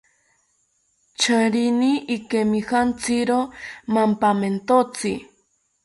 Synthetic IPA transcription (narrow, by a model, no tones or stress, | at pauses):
t͡ʃʰaɾiniːkemihant͡siɾomampament̪ot͡sḭ